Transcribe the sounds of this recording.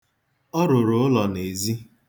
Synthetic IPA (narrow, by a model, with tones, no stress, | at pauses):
ɔ˦ɾʊ˨ɾʊ˨ʊ˦lɔ˨ne˨zi˦